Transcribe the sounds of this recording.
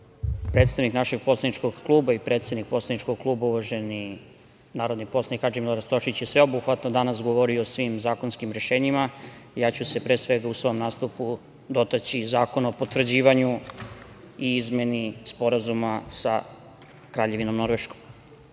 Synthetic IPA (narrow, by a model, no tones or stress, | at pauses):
pɾe̞ːt̪st̪aʋniknaʃe̞ɡ̚po̞slˠaniʈ͡ʂko̞ɡklˠuːbaipɾe̞t̪sed̪nik̚po̞tslanit͡ʃkoɡ̚klˠuːbauʋaʒe̞ni | naːɾo̞d̪nipo̞slanixad͡ʒemilaɾast̪o̞ʃit͡ɕjesʋe̞obuxʋat̪nod̪anas̬ɡoʋo̞ɾioːsʋimzaːko̞nskimɾe̞ʃe̞ːɲimajaːt͡ɕuse̞pɾe̞ːsʋe̞ɡausʋo̞mnaːst̪upu | d̪o̞t̪at͡ɕizaːkonopot̪vr̩d͡ʑiːʋaɲu | iizme̞nispo̞ɾazumasa̰ | kɾaːʎe̞ʋino̞mno̞ɾʋeʃko̥m